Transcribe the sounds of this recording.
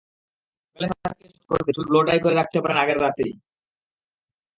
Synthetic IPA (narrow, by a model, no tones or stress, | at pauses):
keleʃaat̚keʃuko̰ɾt̪et͡ɕʰubloɖajkoɾeɾak̚t̪epaɾenaɡeɾɾat̪ej